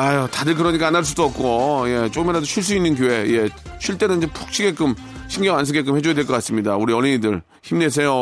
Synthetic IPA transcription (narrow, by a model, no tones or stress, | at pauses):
ajotadɯɭk̬ɯɾʌɲik͈aːnaɭs͈udoʌp̚k͈oje̞t͡ɕ͈okɯmeɾadoɕʰiɭs͈uinːɯnk̬joɦe̞je̞ | ɕʰiɭt͈e̞ɾoiɲd͡ʑepʰu̥k̚ɕ͈ʰiɡe̞k͈ɯm | ɕʰiŋɡjʌŋans̬ʰɯɡe̞k̬͈ɯmhe̞d͡ʑojadweɭkʌk͈ats͈ɯmɲidauɾiʌɭːiɲidɯɭ | çimnes̬ʰe̞jo